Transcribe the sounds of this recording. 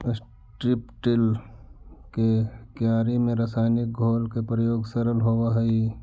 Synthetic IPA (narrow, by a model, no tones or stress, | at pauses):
s | ʈɾɪpʈɪl | kekjaːɾimẽɾɐsaːnɪk̚ɡʱoːlkepɾəjoːɡsəɾəlɦowaɦɐi